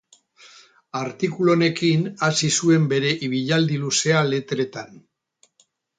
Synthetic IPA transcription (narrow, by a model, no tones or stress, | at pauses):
aɾt̪ikulo̞ne̞kinasisue̞mbe̞ɾe̞ʔiβ̞iʎald̪iluse̞ale̞t̪ɾe̞t̪an